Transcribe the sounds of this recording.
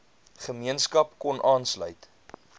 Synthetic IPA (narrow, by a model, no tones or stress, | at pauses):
χəmiənskɐpkɔnʔɑːnslœ̰ɥt